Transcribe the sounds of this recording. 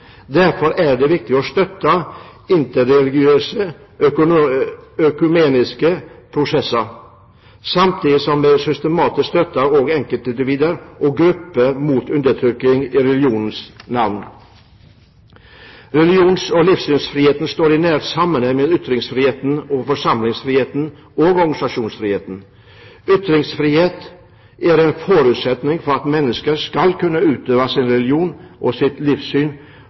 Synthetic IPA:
d̪æɾfɔɾæɖɛʋɪk̚t̪ɪɔst̪œt̪ːɑɪnt̪əɾɛlɪɡɪøːsə | œkʉmeːnɪskəpʰɾʊsɛsːəɾ | sɑmt̪ʰiːd̪ɪsɔmːesʏst̪əmɑːt̪ɪsst̪œt̪ːɑɔɡɛŋkəlt̪ɪnd̪ɪʋiːd̪əɾʔɔɡɾʉpːəmuːt̪ʉnd̪ət̪ʰɾʏkːɪŋiɾɛlɪuːnn̩snɑʋn | ɾɛlɪuːnsɔliːfsyːnsfɾiːheːt̪n̩st̪oːɾɪnæːɾt̪sɑmːənɛɪmeːd̪ʏt̪ɾɪŋsfɾiːheːt̪n̩ɔfɔʂɑmlɪŋsfɾiːheːt̪n̩ | ɔɡɔɾɡɑnɪsɑʂuːnsfɾiːheːt̪n̩ | ʏt̪ɾɪŋsfɾiːheːt̪ | æɾɛnfɔɾʉːt̪sɛt̪nɪŋfɔɾɑt̪mɛnːəskəɾskɑlkʉnːəʉːt̪øːʋɑsɪnɾɛlɪuːnʔɔsɪt̪liːfsyːn

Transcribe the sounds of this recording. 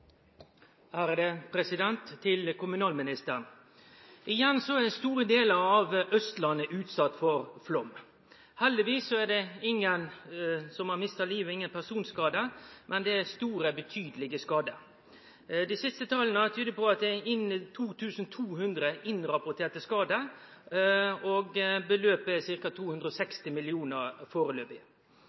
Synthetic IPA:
æːɾd̪ɛpʰɾɛsɪd̪ɛnt̪ʰːɪlkʊmʉnɑːlmɪnɪst̪əɾn | ʔɪjɛnsɔɛdɛst̪uːɾəd̪eːləɾɑʋʔœst̪lɑnəʔʉːt̪sɑt̪ːfɔɾflɔm | hɛld̪ɪʋiːsɔæɖ̪ɛɪŋːənsɔmhɑɾmɪst̪ɑliːʋəɪŋːənpʰæsuːnskɑːd̪əmʔɛnd̪ɛæst̪uːɾəbət̪ʰyːd̪əlɪɡəskɑːd̪ə | d̪ɪsɪst̪ət̪ʰɑːlənət̪ʰyːd̪əpɔɑt̪̚d̪ɛɪnɪt̪ʰuːt̪ʰʉːsən̩t̪ʰuːhʉnd̪ɾəʔɪnɾɑpʊʈ̪ʰeːt̪əskɑːd̪ə | ɔɡbəløːpəsɪɾkɑt̪ʰuːhʉnd̪ɾəɔsɛkst̪ɪmɪlɪuːnəɾfoːɾəløːpɪ

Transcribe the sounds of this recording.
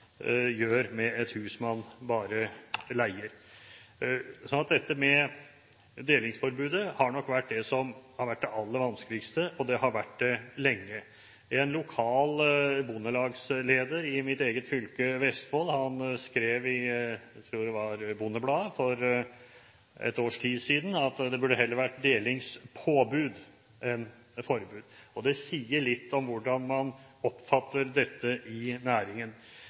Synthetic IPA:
jøːɾmɛɛt̪hʉːsmɑnbɑːɾəlæɪəɾ | sɔnɑt̪̚d̪ɛt̪ːəmɛ | d̪eːlɪŋsfɔɾbʉːd̪əhɑɳɔkːʋæʈ̚ːd̪ɛsɔmhɑɾʋæʈ̚ːd̪ɛʔɑlːəɾʋɑnskəlɪkst̪əʔɔd̪ɛhɑɾʋæʈd̪ɛlɛŋːə | ɛnlʊkʰɑːlbʊnːəlɑːɡsleːd̪əɾɪmɪt̪eːɡət̪fʏlkəʋɛst̪hɔlhɑnskɾeːʋɪt̪ʰɾuːɖɛʋɑɾbunːəblɑːfɔɾ | ɛ̰t̪oːʂʈʰiːd̪siːd̪n̩ɑt̪d̪ɛbʉɖəɦɛlːəɾʋæʈd̪eːlɪŋspʰoːbʉːd̪ | ɛn | fɔɾbʉːd̪ɔd̪ɛsiːəɭɪt̪ːɔmʋʊɖɑnmɑn | ɔpːfɑt̪ːəɾd̪ɛt̪ːəʔɪnæːɾɪŋən

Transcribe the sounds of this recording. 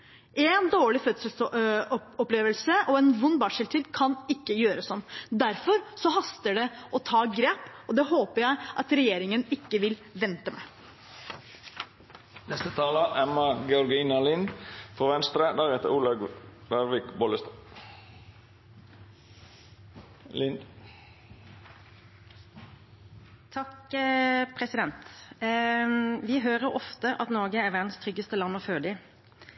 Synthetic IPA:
ʔeːnd̪oːɭɪfœt̪səlsɔɔpleːʋəlsəʔoːeːnʋʊnbɑːʂəlt̪ʰiːd̪kʰɑnɪkːəjøːɾəsɔmːd̪æɾfɔɾsɔhɑst̪əɖɛʔɔt̪ʰɑːɡɾeːpɔd̪ɛːɦoːpəɾjæɪʔɑt̪ɾɛjeːɾɪŋənɪkːəʋɪlʋɛnt̪əmæ̰ | nɛst̪ət̪ʰɑːləʔɛmɑɡɛɔɾɡiːnɪɑlinfɔʋɛnst̪ɾəd̪æːʁhɛːt̪əɾuːlɑɡd̪ɑɾʋɪkbɔləst̪ | lɪnd̪ | t̪ʰɑk | pʰʁɛsɪd̪ɛnt̪ | ʋɪɦøːʁəɾɔft̪əʔɑt̪nɔːɡəæːɾʋæʁd̪n̩st̪ʰʁʏɡːəst̪əlɑnmɔføːd̪ɪ

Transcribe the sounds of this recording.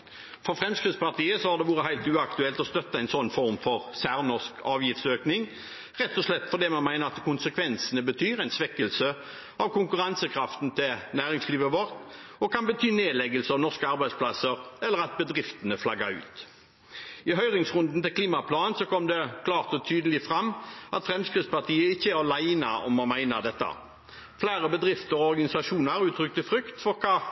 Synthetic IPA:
fɔʁfʁɛmskʁɪt̪spɑt̪ʰiːəsɔhɑʁd̪ɛʋuːʁəɦæɪlt̪ʉːɑkt̪ʉɛlt̪ɔst̪œt̪ːəɛɪnsɔnːfɔʁmfɔʁsæːʁnɔʁskʰɑːʋjɪft̪søːknɪŋ | ʁɛt̪ːɔʂlɛt̪ːfɔd̪eːmɛnmæɪnəʁɑt̪kʰʊnsəkʰʋɛnsənəbət̪ʰyːʁæɪnsʋɛkːəlsə | ɑʋkʊŋkʉʁɑnsəkʰʁɑft̪n̩t̪ʰɪlnæːʁɪŋsliːʋəʋɔʁt̪ɔkɑnbət̪ʰyːneːd̪lɛɡəlsəɑʋnɔʁskəɑʁbæɪspʰlɑsəɾɛlːəʁɑt̪̚bəd̪ʁɪft̪ənəflɑɡɑʉ̰ːt̪ | ɪɦœʏʁɪŋsʁʉnd̪n̩t̪ɪlkliːmɑpʰlɑːnnsɔkʰɔmd̪ɛkʰlɑːʁt̪ɔt̪ʰyːd̪əlɪfʁɑmːɑt̪fʁɛmskʁɪt̪spɑʁt̪ʰiːəɪçːəæʁɔlæɪnɑ̰ɔ̰mɔmæɪnɑd̪ɛt̪ːɑ̰ | flæːʁəbəd̪ʁɪft̪əʁɔɔʁɡɑnɪsɑʂuːnəæʁʉːt̪ʰɾʏk̚t̪ɪfʁʏkt̪fɔʁkʰɑː

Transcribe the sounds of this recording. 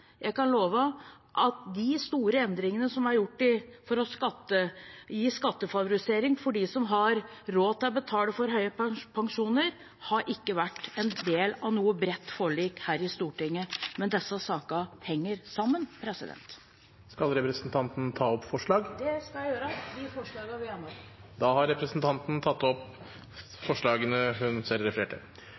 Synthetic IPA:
jæɪkɑnloːʋə | ʔɑt̪d̪ɪst̪uːɾəɛnd̪ɾɪŋənəsɔmæɾjʊʈːɪfɔɾɔskɑt̪ːəjiːskɑt̪ːəfɑʋʊɾɪseːɾɪŋfɔɖiːsɔmɦɑɾɾoːt̪ʰɪlbət̪ʰɑːləfɔɾɦœʏəppʰɑŋʂuːnəɾ | hɑɾʔɪkːəʋæʈːɛnd̪eːlɑʋnuːəbɾɛt̪ːfoːɭiːkhæːɾɪst̪uːʈɪŋːəmɛnd̪ɛsːəsɑːkɑhɛŋːəɾsɑmːənpʰɾɛsɪd̪ɛ̰nt̪ | skɑlɾɛpɾəsnt̪ʰɑnt̪nt̪ʰɑːɔpfɔʂɭɑːɡd̪ɛskɑljæɪjøːɾəʋɪfɔʂɭɑːɡɑʋɪjɛnːɔd̪ɑːhɑɾɛpɾəsnt̪ʰɑnt̪n̩t̪ʰɑt̪ːɔp | fɔʂɭɑːɡənəɦʉnsɛlɾɛfəɾeːʈə̰

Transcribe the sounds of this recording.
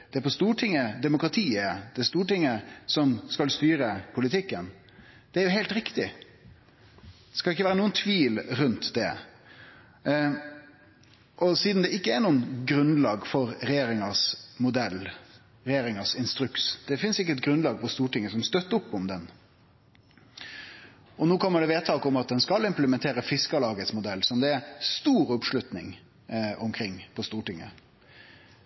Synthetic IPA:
d̪̥ɛæɾpɔst̪uːʈʰɪŋːəd̪ɛmʊkɾɑt̪ʰiːəd̪̥ɛst̪uːʈɪŋːəsɔmskɑlst̪yːɾəpʰʊlɪt̪ʰɪkːən | d̪̥ɛæɾjʊɦeːlt̪ɾɪkt̪ɪ | d̪ɛskɑɪkːəʋæːɾənuːənt̪ʰʋiːlɾʉnt̪d̪ɛ̰ | ʔɔsiːd̪n̩d̪ɛɪkːəæɾnuːənɡɾʉnlɑːɡfɔɾɾɛjeːɾɪŋɑsmʊd̪ɛlː | ɾɛjeːɾɪŋɑsɪnst̪ɾʉksd̪̥ɛfɪnsɪkːəɛt̪̚ɡɾʉnlɑːɡpʰɔst̪uːʈɪŋːəsɔmst̪œt̪ːəʊpːɔmd̪ɛn | ɔnuːkʰɔmːəɖɛʋeːt̪ʰɑːkʊmɑt̪̚d̪ɛnskɑlɪmpləmɛnt̪ʰeːɾəfɪskɑlɑːɡət̪smʊd̪ɛlːsɔmd̪ɛæɾst̪uːɾʊpʂlʉt̪nɪ̰ŋ | ʊmkʰɾɪŋːpʰɔst̪uːʈɪŋːə̰

